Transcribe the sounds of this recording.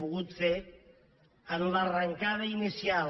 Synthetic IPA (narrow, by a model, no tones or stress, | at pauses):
puɣut̪fe | anularaŋkað̞ainisial